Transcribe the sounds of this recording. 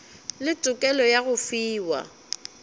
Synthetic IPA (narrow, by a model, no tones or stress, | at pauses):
lɪt͡sʼʊkʼɛlɔjaɣʊfiːwa̰